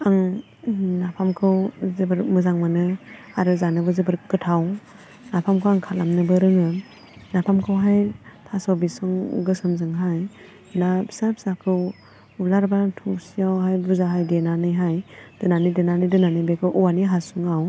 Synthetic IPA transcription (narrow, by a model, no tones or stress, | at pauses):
aŋ | napʰamkʰɯwzɯbɯɾmɯzaŋmanɯ | aɾɯzanɯbɯzɯbɯɾkɯtʰaw | napʰamkʰɯwaŋkʰalamnɯbɯɾɯŋɯ | napʰamkʰɯwɦajtʰasawbisɔŋɡɯsɯmzɯŋɦaj | nasap̚sakʰɯw | ulaɾbatʰusijawɦajbuzaɦajdenanɯjɦajd̥ɯnanɯjdenanɯjdɯnanɯjbekʰɯwʔuwaniɦasuŋaw